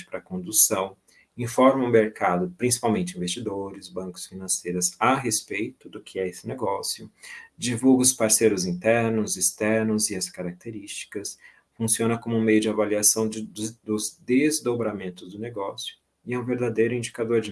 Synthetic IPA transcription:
t͡ʃɪ̥pɾɐkõd̪usɐ̃w̃ | ĩfɔɾmɐũmeɾkad̪ʊpɾĩsi̥pawmẽnt͡ʃɪĩvest͡ʃid̪oɾɪzbɐ̃kʊ̥sfinɐ̃sejɾɐzaɦespejt̪ʊd̪ʊkʰɪɛesɪneɡɔsjʊd͡ʒivuɡɐʊspaɾsejɾʊzĩnt̪ɛɾnʊzist̪ɛɾnʊzɪɐskaɾak̚t̪eɾist͡ʃi̥kɐs | fũsiõnɐkõmʊũmejʊd͡ʒɪavaliasɐ̃w̃d͡ʒd̪ʊzd̪ezd̪obɾamẽnt̪ʊzd̪ʊneɡɔsjʊ | ɪɛũveɾd̪ad̪ejɾʊĩnd͡ʒikad̪oɾd͡ʒɪ

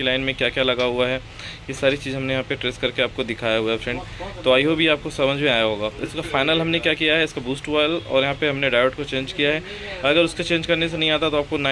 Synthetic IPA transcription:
ilaːɪnmẽkjaːkjaːlɐɡaɦʊaɦɛː | jesaːɾit͡ʃiːzɦɐmnejɐɦãpeʈɾeːskɐɾkeaːp̚kod̪ɪkʰaːjaɦuaʈɛ̃ːɳɖt̪oaːiɦobʱiaːp̚kosɐmə̃d͡ʒmẽaːjaɦoːɡaːɪskafaːɪnəlɦɐmnekjaːkijaɦɛɪskabuːsʈʋaːɪlɔ̰ːɾjɐɦãpeɦɐmneɖaːɪʋɛʈkot͡ʃẽːnd͡ʒkijaɦɛː | ɔːɾɐɡəɾʊskot͡ʃẽːnd͡ʒkɐɾnes̬enɐɦĩaːt̪at̪oaːp̚kona

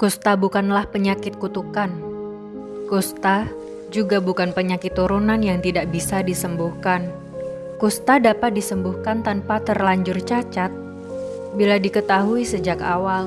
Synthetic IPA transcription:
kust̪abukanlahpəɲakɪt̪̚kut̪ukan | kust̪a | d͡ʒuɡabukanpəɲakɪt̪ːuɾunanjaŋt̪idaʔbisadisəmbuhkan | kust̪adapat̪̚disəmbuhkant̪anpat̪ərlaɲd͡ʒʊrt͡ʃat͡ʃat̪̚ | biladikət̪aɦuisəd͡ʒakawal

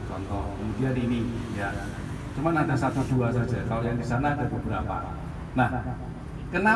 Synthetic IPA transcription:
t͡ʃɔnt̪ɔkəmudianinija | t͡ʃumanadasat̪ud̪̥uasḁd͡ʒ̥akalojaŋdisanaːd̥a̤bəbəɾapa̰ | nah | kəna

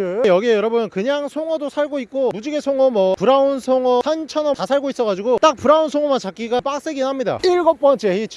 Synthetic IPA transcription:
ɯjʌɡiejʌɾʌbɯnkɯɲaŋsʰoŋʌdosʰaɭɡoit̚k͈omud͡ʑiɡe̞sʰoŋʌmʌpuɾaunsʰoŋʌsʰant͡ɕʰʌnʌtasʰaɭɡois͈ʌɣad͡ʑiɡot͈ak̚puɾaunsʰoŋʌmant͡ɕak͈iɡap͈ak̚s͈eɡinhamɲida̰iɭɡʌp͈ʌnt͡ɕ͈ʰeit͡ɕʰ

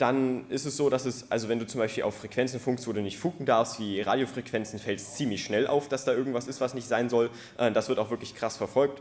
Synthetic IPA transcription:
d̥anɪstɛsz̥oːdasɛsʔalzovɛnduːt͡sʊmbaɪʃpiːlʔaʊfʁ̥ekv̥ɛnt͡sn̩fʊŋkstv̥oːduːnɪçtfuːɡŋ̩daɐfstv̥iːʁa̰ːdjofʁ̥ɛkv̥ɛnt͡sn̩fɛlst͡siːmlɪçʃnɛlʔa̰ʊfd̥asd̥aːʔɪɐɡŋ̩tv̥asɪstv̥asnɪçtz̥aɪnzɔl | ʔɛːmd̥asv̥ɪɐtaʊxvɪɐklɪçkʁ̥asfɛɐfɔlk̚t

